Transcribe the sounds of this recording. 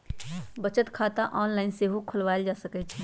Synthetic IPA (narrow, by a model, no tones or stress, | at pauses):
bət͡ʃət̪kʰaːt̪aʔɔːnlaːɪnseɦokʰʊlʋaːjld͡ʒaːsəkɛt͡ʃʰɛ